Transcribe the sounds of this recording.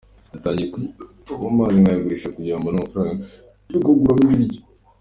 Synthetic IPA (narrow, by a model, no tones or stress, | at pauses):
nataːɲɟieku | amaːziŋajaɡuɾiʃakuɟaːmbonumufuɾaːŋɡa | ɾikoɡuɾamuβiɾɟo